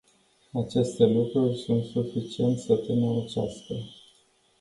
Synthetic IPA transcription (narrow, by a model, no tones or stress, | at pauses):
at͡ʃe̞st̪e̞lukɾurʲsunt̪sufit͡ʃie̞nt̪ʲsət̪enəɾət͡ʃask̪e